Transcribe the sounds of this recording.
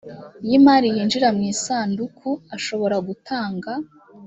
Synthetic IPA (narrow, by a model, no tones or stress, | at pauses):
jimaːɾijiːnd͡ʒiɾamŋiːsaːndukʰuaʃo̞βo̞ɾaɡutʰaːŋɡa